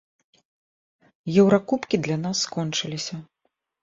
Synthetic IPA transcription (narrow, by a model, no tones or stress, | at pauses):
jɛwɾakupkʲid̪lʲanasːkɔnt͡ʂɨlʲisʲɐ